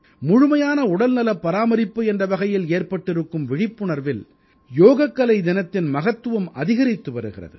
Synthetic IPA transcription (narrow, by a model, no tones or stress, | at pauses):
mʊɻʊmɐjaːnɐʊɽɐlnɐlɐpːɐɾaːmɐɾɪpːɯɛndrɐʋɐɣɐjɪleːrpɐʈːɪɾɯkːɯmʋɪɻɪpːɯɳɐɾʋɪl | joːɣɐkːɐlɐɪd̪ɪnɐt̪ːɪnmɐɣɐt̪ːɯʋɯmɐðɪɣɐɾɪt̪ːɯʋɐɾɯɣɪrɐ̰ðɯ̰